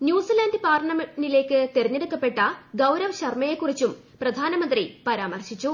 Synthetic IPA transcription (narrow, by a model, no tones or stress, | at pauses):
njuːsilaːndɨpaːrɐɳɐmnile̞ːkːɨt̪eɾiɲːeɽukːɐpːe̞ʈːɐɡɐwɾɐʋɕɐrmɐjekːurit͡ɕːum | prɐd̪ʱaːnɐmɐnd̪ripɐɾaːmɐrɕit͡ɕːu